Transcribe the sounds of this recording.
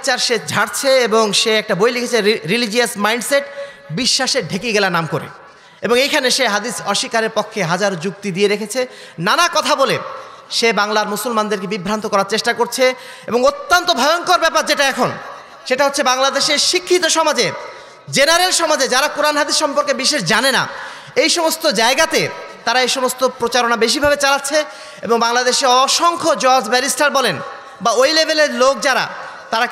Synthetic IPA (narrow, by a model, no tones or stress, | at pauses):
t͡ɕaɾʃed͡ʑʱaɽt͡ɕʰeeboŋʃeɛk̚ʈabojlikʰet͡ɕʰeɾilid͡ʑiasmajɳɖseʈ | biʃːaʃeɖʱekiɡɛlanamkoɾḛ | eboŋejkʰaneʃeɦad̪isɔʃikaɾeɾpokʰːeɦad͡ʑaɾod͡ʑuk̚t̪id̪ieɾekʰet͡ɕʰe | nanakɔt̪ʰabole | ʃebaŋlaɾmusolmand̪eɾkebibʱɾant̪okɔɾaɾt͡ɕeʃʈakoɾt͡ɕʰe | eboŋot̪ːant̪obʱɔjoŋkoɾbɛpaɾd͡ʑeʈaɛkʰon | ʃeʈaɦotːɕʰebaŋlad̪eʃeɾʃikʰːit̪oʃɔmad͡ʑe | d͡ʑenaɾelʃɔmad͡ʑed͡ʑaɾakuɾanɦad̪iɾʃɔmpoɾkebiʃeʃd͡ʑanena̰ | ejʃɔmost̪od͡ʑaeɡat̪et̪aɾaejʃɔmost̪opɾot͡ɕaɾonabeʃ̬ibʱabet͡ɕalatːɕʰe | eboŋbaŋlad̪eʃeɔʃɔŋkʰod͡ʑɔɾd͡ʑbɛlisʈaɾbɔlen | baojlebʱeleɾlok̚d͡ʑaɾa̰t̪aɾa